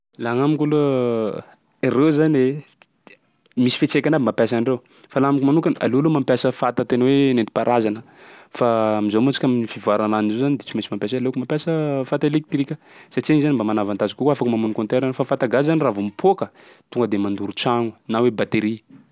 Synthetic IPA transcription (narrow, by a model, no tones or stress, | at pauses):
laŋamikʲulo | ɾewzanile | misi̥fet͡sekʲanabimapjasanrew | falaamikumanukʲana̰lewlomampjasəfat̪ət̪enəwenent̪i̥paɾʔazanə | faːmizomut͡si̥kʲamifivaɾananizozanid̪et͡simesimampjas̬ealekumampʲjasəfat̪elek̚t̪rikʲə | sat͡ʃienizanimbamanavant̪azikukuafakumamunkont̪eɾanofafat̪aɡazaniravumipʰokə | t̪uŋɡəd̪emand̪uɾut͡saŋunawebat̪eɾi